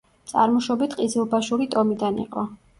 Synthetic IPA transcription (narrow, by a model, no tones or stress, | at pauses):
t̪sʼa̰ɾmɔʃɔbit̪ʰqʼid̪zilˠbaʃuɾit̪ʼɔmid̪anḭqʼɔ